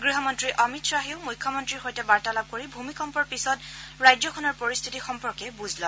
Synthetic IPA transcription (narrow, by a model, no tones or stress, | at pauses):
ɡɹiɦɔmɔntɹiʔɔmitsɹaɦiʊmujkʰːɔmɔntɹiɹxojtɛbaɹtalab̚koɹibʱumikɔmpɔɹpisɔtɹajdzɔkʰɔnɔɹpɔɹistʰitixɔmpɔɹkɛbuzʱlɔ